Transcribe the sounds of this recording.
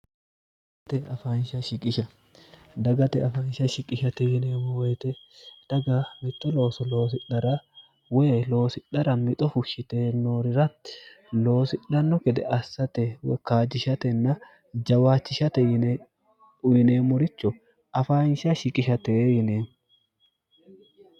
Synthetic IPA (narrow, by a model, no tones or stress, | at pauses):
tt̪ɛɐfaːnʃɐʃɪkʼɪʃɐ | d̪ɐɡɐt̪ɛɐfaːnʃɐʃɪkʼɪʃɐt̪ɛjɪneːmɔwɛːt̪ɛ | d̪̥ɐɡɐmɪt̪ʼːɔlo̞ːsɔlo̞ːsɪᶑɐɾɐ | weːlo̞ːsɪᶑɐɾɐmɪt̪ʼɔfʊʃɪt̪eːnːoːɾɪɾɐ | lo̞ːsɪᶑɐnːɔkɛd̪ɛɐsːɐt̪ɛwkaːd͡ʒɪʃɐt̪ɛnːɐ | d͡ʒɐwaːt͡ʃːɪʃɐt̪ɛɪn | ʊjɪneːmʊɾɪt͡ʃːɔ | ɐfaːnʃɐʃɪkʼɪʃɐt̪ɛjɪneːn